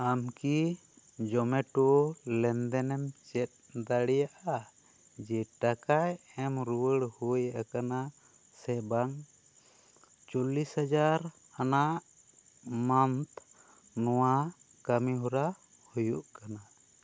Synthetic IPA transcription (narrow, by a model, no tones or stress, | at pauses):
amki | d͡ʒɔmɛʈulɛnd̪ɛnɛmt͡ʃɛt̪̚d̪aɽɛjaʔa | d͡ʒɛʈakajɛmɾuwəɽhujaʔakana | sɛbaŋ | t͡ʃɔlishad͡ʒaɾ | anaʔ | mant̪ | nɔwa | kamiɦuɾa | hujuʔkana